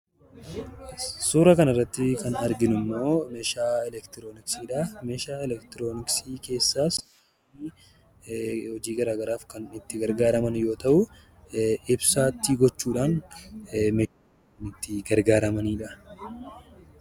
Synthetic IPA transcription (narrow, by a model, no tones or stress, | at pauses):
suːɾɐkɐnɐrːɐt̪ːɪkɐnɐɾɡɪnʊmːo̞ːmeʃaːɛlɛkt̪ɪɾoːnɪksiːᶑameːʃaːɛlɛkt̪ɪɾo̞ːnɪksiːke̞ːsːaːs | hɔd͡ʒiːɡɐɾaːɡɐɾaːfkɐnɪt̪ːɪɡɐɾɡaːɾɐmɐnjo̞ːt̪ɐʔʊ | ɪbsaːt̪ːiːɡɔt͡ʃːuːᶑaːn | mɛ | nɪt̪ːɪɡɐɾɡaːɾɐmɐniːᶑɐ